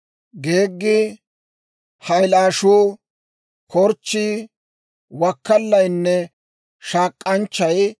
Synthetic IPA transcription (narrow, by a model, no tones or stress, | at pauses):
ɡeːɡːɪ | hɐjlaːʃuː | kʰɔɾt͡ʃːi | wɐkːɐlːɐjnːɛ | ʃaːkʼːɐnt͡ʃːɐj